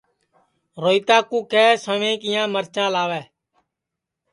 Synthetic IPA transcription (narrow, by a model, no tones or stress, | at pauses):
ɾoːiːt̪aːkũːkɛːsəʋẽːkɪjãːməɾt͡ʃãːlaːʋɛː